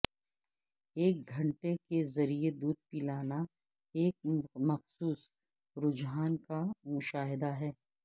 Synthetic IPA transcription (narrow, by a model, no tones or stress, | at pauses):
eːk̚ɡʱɐ̃ɳʈekezɐɾied̪uːd̪̚piːlaːna | eːk̚mɐxsuːs | ɾʊd͡ʒɦaːnkamʊʃaːɦɪd̪aɦɛː